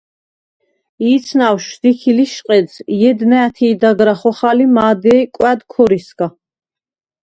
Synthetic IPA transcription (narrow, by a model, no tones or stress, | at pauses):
iːt̪sʰnawʃd̪̥ikʰiliʃqʼɛd̪zjɛd̪nɛːt̪ʰiːd̪aɡɾaχɔχalimaːd̪ɛkʼwɛd̪kʰɔɾiskʼa